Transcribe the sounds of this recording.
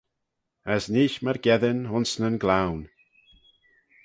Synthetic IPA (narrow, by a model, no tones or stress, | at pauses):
əsniːʃməɾɡɛðənhʊnsnənɡlawn